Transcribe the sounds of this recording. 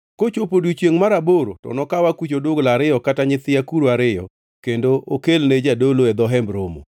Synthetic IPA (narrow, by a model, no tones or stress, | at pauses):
kot͡ʃopodwit͡ʃjeŋmaɾaboɾo̰tɔ̰nɔkawakut͡ʃodʊɡlaɾɪjɔkataɲɪt̪ɪjakuɾoaɾɪjɔ̰ | kendookelned͡ʒadoloɛd̪ɔɦɛmbɾomo̰